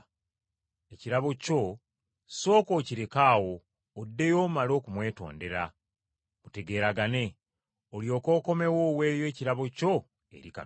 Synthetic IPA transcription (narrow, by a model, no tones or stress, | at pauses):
e̞ciɾaβo̞co̞ | so̞ːko̞ːciɾe̞kaːwo̞ː | dːe̞jo̞ːmalo̞ːkumwe̞ːto̞̰ːnde̞ɾa | mute̞ɡe̞ːɾaɡane̞ | oljo̞ːko̞ːko̞me̞woːwe̞ːjoe̞ːciɾaβo̞co̞ | e̞̰ɾika̰